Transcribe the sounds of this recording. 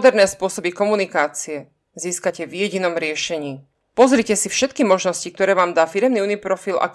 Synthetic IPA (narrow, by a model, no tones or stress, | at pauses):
d̪ɛɾnɛːspʊɔsɔbikɔmunikaːt͡siɛ | ziːskacɛvjɛɟinɔmɾɪɛʃɛɲiː | pɔzɾicɛsifʃɛt̪kimɔʒnɔscik̚t̪ɔɾɛːʋaːmd̪aːfiɾɛmniuːnipɾɔfila̰k